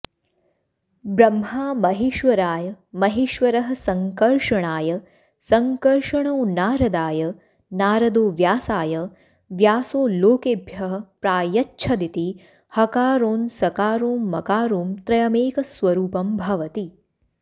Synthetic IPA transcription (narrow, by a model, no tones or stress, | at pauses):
bɾɐmɦaːmɐɦiʃʋɐɾaːjɐmɐɦiʃʋɐɾɐɦɐ̆sɐŋkɐlʂɐɳaːjɐ | sɐŋkɐɾʂɐɳoːnaːɾɐd̪aːjɐ | naːɾɐd̪oːʋjaːsaːjɐ | ʋjaːsoːloːkeːbʱjɐɦɐ̆pɾaːjɐtːʃʰɐd̪it̪i | hɐkaːɾoːnsɐkaːɾoːmːɐkaːɾoːmt̪ɾɐjɐmeːkɐsʋɐɾuːpɐmbʱɐʋɐt̪i